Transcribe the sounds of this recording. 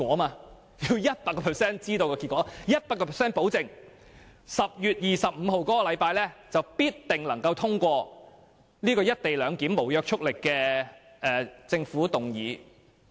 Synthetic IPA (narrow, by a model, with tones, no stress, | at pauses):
kɔː˨˥maː˧ | ji˧wjɐ˥t̚paː˧tkːɔː˧pʰɛ˨˩sɛː˥nt͡siː˥t̪o˧wkɔː˧ki˧t̚kʷːɔː˨˧˥jɐ˥t̚paː˧kːɔ˧pʰɛ˨˩sɛː˥npo˨˥wt͡sɪ˨˩ŋ | sɐ˨p̚jyː˨t̚jiː˨˩sɐ˨p̚m̩˨˧ho˨wkɔː˨˥kɔ˧lɐ˨˧jpaː˧jlɛː˥t͡sɐ˨wpiː˥tt̪ɪ˨ŋlɐ˨˩ŋkɐ˧wt̪ʰʊ˥ŋkʷɔː˧ | liː˥kɔː˧jɐ˥t̚t̪e˨jlœː˨˧ŋkiː˨˥mo˨˩wjœː˧k̚t͡ʃʰʊ˥k̚lɪ˨kːɛː˧ | ɛː˨˩t͡sɪ˧ŋfuː˨˥t̪ʊ˨˩ŋjiː˨˧˥